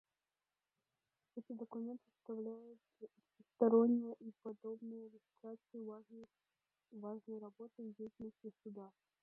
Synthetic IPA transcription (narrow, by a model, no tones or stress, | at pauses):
ɛt̪əd̪əkʊmʲe̞nt̪ɨst̪ɐvlʲæjʊt̪əɐɪst̪ɐɾo̞nʲːɪjəʔipɐd̪o̞bnəjəɾʲɪfʲɪt̪ɾat̪sɨj | vaʐnəjrɐbo̞t̪ɨdʲejtʲɪlnəsʲtʲɪsʊd̪a